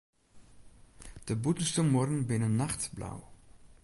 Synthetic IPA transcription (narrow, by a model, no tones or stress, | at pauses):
d̥əbutəstəmɔrənbɪnənːaχtbla̰w